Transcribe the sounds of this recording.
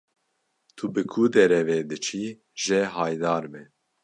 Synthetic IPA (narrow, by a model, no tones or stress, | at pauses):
t̪ʰubɨkʰud̪ɛɾɛved̪ɨt͡ʃʰi | ʒɛɦɑːjd̪ɑːɾmɛ